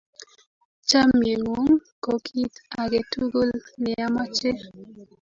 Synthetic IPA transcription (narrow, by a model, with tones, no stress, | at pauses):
t͡ʃa˦mje˨ŋo˨˦ŋko˨kʰi˦ta˨ɡe˨tu˦ɡo˦lnɪ˨a˦ma˦t͡ʃe˦